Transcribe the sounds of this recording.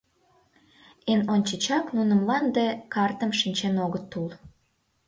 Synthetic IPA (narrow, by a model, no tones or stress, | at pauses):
enonʲt͡ɕət͡ɕɑknunəmlɑnd̪ekɑrt̪əmʃinʲt͡ɕenoɣət̪ːul